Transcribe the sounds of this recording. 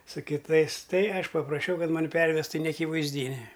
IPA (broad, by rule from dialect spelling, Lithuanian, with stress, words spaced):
sʊ kʲɪˈtɐɪs ˈtɐɪ ˈɐʃ pɐprɐˈʃʲɛʊ ˈkɐt ˈmɑːnʲɪ ˈpʲɛrʲʋʲɛstʊ ɪ nʲɛɐkʲɪʋɐɪzʲˈdʲiːnʲɪ